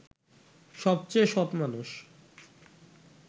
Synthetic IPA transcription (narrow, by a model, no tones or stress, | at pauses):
ʃɔb̚t͡ɕejʃɔbmanuʃ